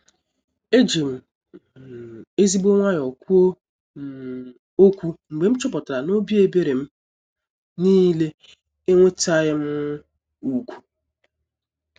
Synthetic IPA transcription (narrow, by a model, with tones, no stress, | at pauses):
e˦d͡ʒe˨m̩˨ | e˦zi˦ɡ͡bo˦ŋʷa˦ɲ˨ɔ˨kʷu˦o˦˨ | o˦kʷu˦ŋ͡m̩˨ɡ͡be˨m̩˦t͡ʃʊ˦pɔ˨ta˨ɾa˨no˦bi˦e˦be˦ɾe˨m̩˦ | ni˦le˦ | e˦ŋʷe˦ta˦ɣɪ˦m̩˦ | u˨kʷu̥˨